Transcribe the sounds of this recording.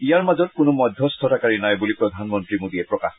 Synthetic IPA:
ijaɹmazɔt̚kʊnʊmɔd̪ʱjɔstʰɔtakaɹinajbulipɹɔd̪ʱanmɔntɹimodiɛpɹɔkax

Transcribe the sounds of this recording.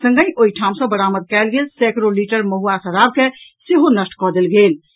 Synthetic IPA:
sə̃ŋɡəjʔoiʈʰam̃sə̃bəɽaməd̪̚kɛlɡelsɛkɾoliʈəɾməɦuasəɾab̚keseɦonəsʈkɔd̪elɡel

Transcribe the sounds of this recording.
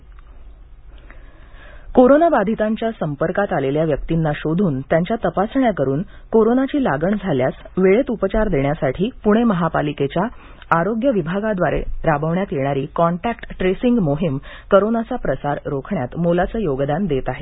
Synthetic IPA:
koɾonabad̪ʱit̪aɲt͡ɕjasəmpəɾkat̪aleljaʋjək̚t̪inːaɕod̪ʱuːnt̪jaɲt͡ɕjat̪əpasɳjakəɾuːnkoɾonat͡ɕiːlaɡəɳd͡zʱaljasʋeɭet̪upət͡ɕaɾd̪eɳjasaʈʰiːpuɽ̃eməɦapaliket͡ɕja | aɾoɡjəʋibʱaɡad̪ʋaɾḛɾabəʋɳjat̪jeɽ̃aɾiːkɔɳʈækʈʈːɾesiŋɡmoɦimkəɾonat͡sapɾəsaɾɾokʰɳjat̪molat͡səːjoɡd̪and̪et̪aɦe

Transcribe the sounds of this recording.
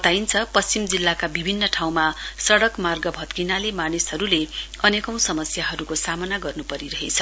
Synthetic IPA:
t̪aint͡sʰʌpʌst͡simd͡zilːakabibʱinːʌʈʰaw̃masʌɽʌkmarɡʌbʱʌt̪kinalemanisɦʌɾuleʌnekʌw̃sʌmʌsjaɦʌɾukosamʌnaɡʌrnupʌɾiɾʌɦḛt͡sʰʌ

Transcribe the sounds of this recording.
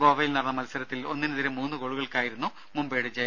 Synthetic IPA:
ɡoːʋɐjilnɐrɐnːɐmɐlsɐɾɐt̪ːilo̞nːinɨðiɾemuːnːɨkoɭuɣɐɭkaːjiɾunːu | mumbeːɽɨd͡ʑɐ

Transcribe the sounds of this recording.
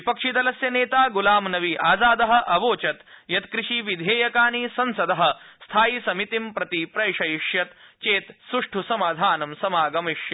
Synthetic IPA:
ipɐkʂit̪ɐlɐsjɐneːt̪aːɡulaːmnɐʋiʔaːzaːd̪ɐɦɐ̆ʔɐʋoːt͡ʃɐt̪jɐt̪kɾɪʂiːʋid̪ʱeːjɐkaːnisɐnsɐd̪ɐɦɐ̆st̪ʰaːjisɐmit̪impɾɐt̪ipɾɐjʂɐjiʂjɐt̪t͡ʃeːt̪sɾuʂʈʰusɐmaːd̪ʱaːnɐmsɐmaːɡɐmiʂjɐ

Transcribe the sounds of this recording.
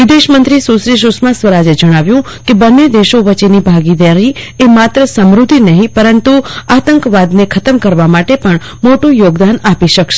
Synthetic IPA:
ʋɪd̪eʃmənt̪ɾisusɾiʃ̬ʊsmasʋəɾad͡ʒed͡ʒəɽ̃aʋjũ | kebənːed̪eʃoʋət͡ʃenibʱaɡid̪aɾiemat̪ɾəsəmɾud̪ʱinəɦĩpəɾənt̪uat̪əŋkʋad̪nekʰət̪əmkəɾʋamaʈepəɳ | moʈũjoɡd̪anapiʃəkʃe̥

